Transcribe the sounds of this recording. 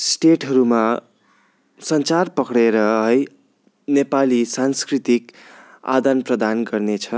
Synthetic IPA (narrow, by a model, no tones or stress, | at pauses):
sʈeʈɦʌɾuma | sʌnt͡sarpʌkɽeɾʌɦʌj | nepalisanskrit̪ik | a̰d̪anprʌd̪anɡʌrnet͡sʰʌ